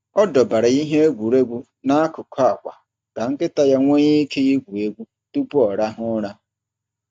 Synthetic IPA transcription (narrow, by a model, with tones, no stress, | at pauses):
ɔ˦dɔ˨ba˨ɾa˨i˦ɦe˦e˦ɡʷu˨ɾe˦ɡʷu˦ | na˦a˦kʊ˨kʰɔ˦a˨kʷa̰˨ | ka˨ŋ̩˦kɪ˦ta˦ja˦ŋʷe˦ɲi˦kʰe˦i˦ɡʷu˨e˦ɡʷu˦ | tu˦pʊ˦ɔ˨ɾa˦ɦʊ˦ɾa˦